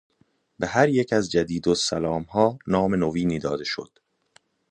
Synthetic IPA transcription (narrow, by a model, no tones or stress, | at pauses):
be̞ɦæɾjecʰæzd͡ʒæd̪iːd̪osælɒːmhɒːnɒːme̞noviːniːd̪ɒːd̪e̞ʃo̰d̪̥